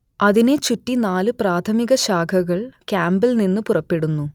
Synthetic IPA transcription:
ɐðine̞t͡ɕutːinaːlɨpraːt̪ʰɐmiɣɐɕaːkʰɐɣɐɭkaːmbɐlninːɨpurɐpːe̞ɽunːu

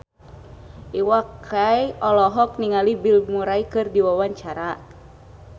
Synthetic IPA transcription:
ʔiwakʰːajɔlɔɦɔk̚niŋalibilmuɾaikɨrdiwawaɲt͡ʃaɾa

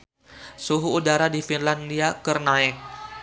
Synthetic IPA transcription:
suɦuːdaɾadifinlandiakərnaɪk̚

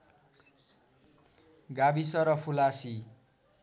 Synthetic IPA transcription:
ɡabisʌɾʌpʰulasi

